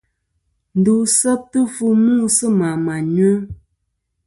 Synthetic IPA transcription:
n̩˨du˨sə˦p̚tə˦fu˦mu˦˨sə˦ma˨ma˨ɲɥə˦

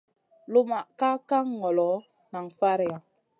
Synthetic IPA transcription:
lu˦ma˨ka˦ka˦ŋ˦ŋɔ˨lɔ˨˦ | na˨ŋ˨fa˦ɾja˨

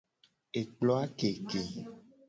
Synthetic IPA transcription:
e˨k͡plɔ˦a˦ke˨ke˨

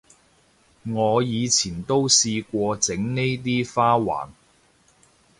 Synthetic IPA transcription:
ŋɔː˨˧jiː˨˧t͡sʰiː˨˩nt̪o˥wsiː˧kʷɔː˧t͡sɪ˨˥ŋne˥jt̪̬iː˥faː˥wa̰ː˨˩n

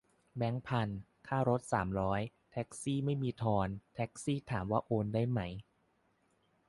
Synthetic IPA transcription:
bɛ˦˥ŋpʰa˧n | kʰaː˥˩ɾo˦˥t̪̚saː˩˦mɾɔː˦˥j | t̪ʰɛ˦˥k̚siː˥˩ma˥˩jmiː˧t̪ʰɔː˧nt̪ʰɛ˦˥k̚siː˥˩t̪ʰaː˩˦mwaː˥˩ʔoː˧ndaː˥˩jma˦˥j

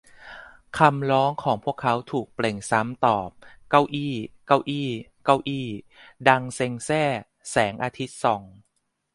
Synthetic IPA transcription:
kʰa˧mɾɔː˦˥ŋkʰɔː˩˦ŋpʰu˥˩əkʰːa˦˥wt̪ʰuː˨˩k̚ple˨˩ŋsa˦˥mt̪ɔː˨˩p̚ka˧wʔiː˧˩ka˧wʔiː˧˩ | ka˧wʔiː˧˩ | da˧ŋse˧ŋsɛː˥˩ | sɛː˩˦ŋʔaː˧t̪ʰi˦˥t̪̚sɔː˨˩˦ŋ

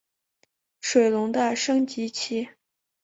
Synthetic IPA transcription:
ʂwe˨˩ɪlʊ˧˥ŋt̪a˥˩ʂɤ˥ŋt͡ɕi˧˥t͡ɕʰi˥

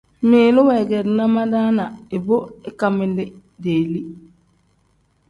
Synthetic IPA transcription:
miː˨˦lu˦wɛ˨ɡɛ˨dna˦ma˦da˦na˨i˨bo˦ɪ˦ka˨mɪ˦lɪ˦ | deː˨li˦

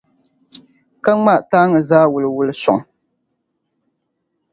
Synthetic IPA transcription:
ka˦ŋ͡ma˦ʔtaː˦ŋɨ˨zaː˦wʊ˨lɨ˨wʊ˦lɨ˦sɔ̰˨ŋ˨

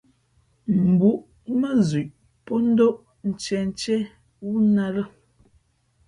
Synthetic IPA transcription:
m̩˨bu˨˦ʔ | mə˦zi˨ʔ | po˦n̩˦do˦ʔ | n̩˨t͡ʃɛ˨n˨t͡ʃɛ˦ | wu˦na˦ɾə˦

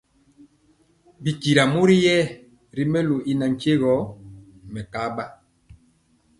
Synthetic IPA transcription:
bi˨ki˨ɾa˨mu˦ɾi˦jɛ˦˨ | ɾi˦mɛ˦lu˨ʔi˨na˨ŋ˨ke˦ɣɔ˨˦ | mɛ˨ka˦ba˦

